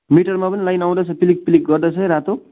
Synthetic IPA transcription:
miʈʌrmapʌnilajnaw̃d̪ʌt͡sʰʌpilik̚pilik̚ɡʌrd̪ʌt͡sʰʌɾat̪ʰo

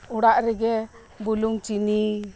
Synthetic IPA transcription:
uɽaʔɾɛɡɛ | buluŋt͡ʃini

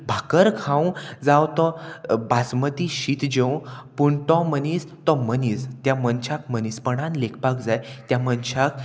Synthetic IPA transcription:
bʱakəɾkʰãw̃d͡zawt̪ɔ̃basmət̪iɕit̪d͡ʑew̃puɳt̪ɔ̃mənist̪ɔmənist̪jãmənt͡ɕak̚mənispəɽãnlekʰpakd͡zajt̪jãmənɕak̚

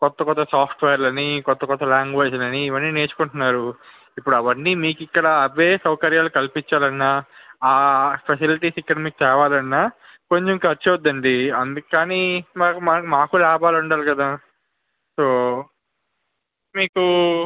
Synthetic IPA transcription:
kɔt̪ːɐkɔt̪ːɐsaːpʰʈʋeːɾlɐnːikɔt̪ːɐkɔt̪ːɐlaːŋɡʋeːd͡ʒlɐniːʋɐnːiːne̞ːt͡ʃu̥kuɳʈunːaːɾu | ipːuɽɐʋɐnːiːmiːkikːɐɽɐːʋeːsɐwkɐɾjaːlukɐlpiɲt͡ʃaːlɐnːaːaːpʰɐsiliʈiːsikːɐɽɐmiːk̚t͡ʃɛːʋaːlɐnːaː | ko̞ɲt͡ʃemiŋkɐɾt͡ʃiʋɐd̪ːɐɳɖiɐnd̪ukaːnimaːkmaːmaːkulaːbaːluɳɖaːlikɐd̪aː | soː | miːku

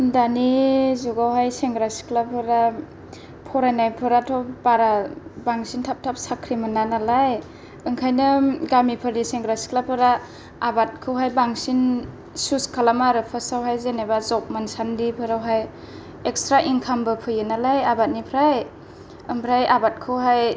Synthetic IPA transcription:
ndanizuɡawɦajseŋɡɾasi̥kʰlapʰɯɾa | pʰɔɾajnajpʰɯɾatʰɔbaɾabaŋsintʰap̚tʰap̚sakʰɾimɯnanalaj | ɯŋkʰajnɯɡamipʰɯɾniseŋɡɾasi̥kʰlapʰɯɾaː | bat̚kʰɯwɦajbaŋsin | suskʰalamaɾɯpʰɯsawɦajzenebazɔk̚mansandipʰɯɾawɦaj | ekstɾaʔiŋkʰambɯpʰɯjɯnalajabat̚nipʰɾaj | ɯŋpʰɾajabat̚kʰɯwɦaj

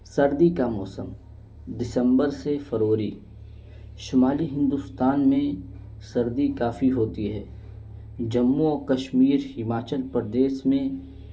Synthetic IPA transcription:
sɐɾd̪ikamɔːsəm | d̪ɪsə̃mbəɾsefʰɐɾoːɾi | ʃʊmaːliɦɪ̃nd̪ust̪aːnmẽ | sɐɾd̪ikaːfiɦoːt̪iɦɛː | d͡ʒɐmːuɔːkɐʃmiːɾɦɪmaːt͡ʃəlpɾəd̪eːʃmẽ

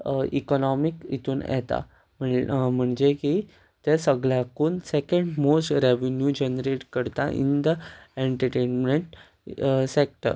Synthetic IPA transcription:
ḭkɔnɔmikit̪uːnɛ̰t̪a̰ | m̤əm̤əɳd͡ʑeki | t̪esəɡɭjakuːnsekəɳɖmosʈɾeʋenjud͡ʑenɾeʈkəɾt̪a̰ʔḭnd̪əeɳʈəɾʈenmeɳʈ | sek̚ʈə̰ɾ

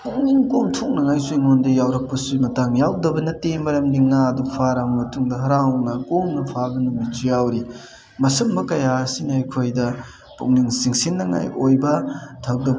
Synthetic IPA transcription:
puŋ̚niŋkomtʰok̚nɐŋajsuiŋondɐjawɾɐk̚pɐsimɐtaŋjawdɐbɐnɐtːemɐɾɐmniŋːaɐdupʰaɾammɐtuŋdɐɦɐɾanɐkomnɐpʰaɡɐnumit͡ʃijawɾi | mɐsɐmbɐkɐjaɐsinɐɐjkʰojdɐ | pṵŋ̚niŋsiŋsinːɐŋa̰jojbɐtʰɐk̚dɐ

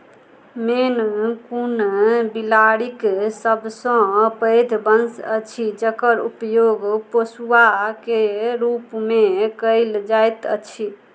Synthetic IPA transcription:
menkunbilaɽiksəbsə̃pəjd̪ʱbənsə̰t͡ʃʰid͡ʒəkəɾupjoɡposuakeɾupmekəɪld͡ʒajt̪ə̰t͡ʃʰi

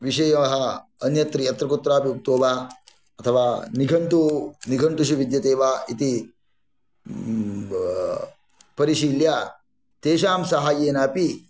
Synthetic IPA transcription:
ʋiʃɐjɐmɐɦɐɐnjɐt̪ɾijɐt̪ɾɐkut̪ːɾaːpiup̚t̪oːʋaː | ɐt̪ʰɐʋaːniɡʱɐɳʈuniɡʱɐɳʈuʃiʋid̪jɐt̪eːʋaːʔit̪i | pɐɾiʃiːljaː | t̪eːʃaːmsɐɦaːjeːnaːpi

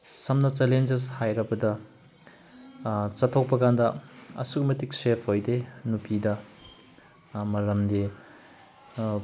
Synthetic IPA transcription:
sɐmnɐt͡ʃelend͡ʒeshajɾɐbɐdɐ | t͡ʃɐtʰːok̚pɐkandɐɐ̰suk̚mɐtiksepʰojdenupidɐ | mɐɾɐmde

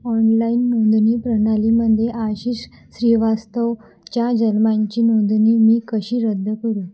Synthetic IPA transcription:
ɔnlainːond̪niːpɾəɽaliməd̪ʱjeʔaɕiːɕ | ɕɾiʋast̪əʋ | t͡ɕjad͡ʑənmaɲt͡ɕiːnod̪niːmiːkəɕiːɾəd̪ʱːəkəɾuː

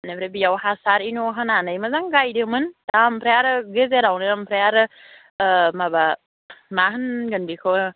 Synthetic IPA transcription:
nepʰɾebijawɦasaɾinoɦananəjməzaŋɡajdɯmɯndampʰɾejaɾɯɡezeɾawnɯampʰɾejaɾɯ | maba | maɦɯnɡɯnbikʰɯ

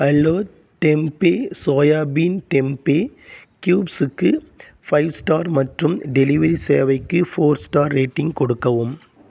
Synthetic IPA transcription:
ɐlːoː | ʈɛmpeːsoːjaːbiːnʈɛmpeːkjuːbsɯkːɯ | fɐɪʋsʈaːɾmɐʈrɯmɖɛlɪʋɐɾiseːɐʋɐɪkːɯfoːɾsʈaːɾːeːʈːɪŋɡkɔɽɯkːɐʋɯm

